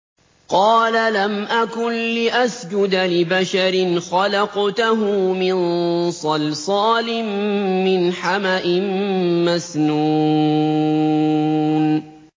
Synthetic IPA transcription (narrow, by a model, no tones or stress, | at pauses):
qɑːlalamʔakʊnlɪʔasd͡ʒʊd̪lɪbaʃaɾɪnxɑlɑqt̪aɦʊmɪnsˤɑlsˤɑːlɪmːɪnħamaʔɪmːasnuː | n